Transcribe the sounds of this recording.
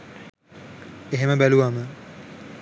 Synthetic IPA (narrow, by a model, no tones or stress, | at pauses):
eɦeməbæluʋamə